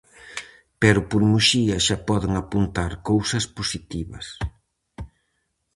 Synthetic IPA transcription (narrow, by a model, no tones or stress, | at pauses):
pɛɾʊpoɾmuʃiɐʃapɔðeŋapunt̪aɾkowsɐspusit̪iβɐ̰s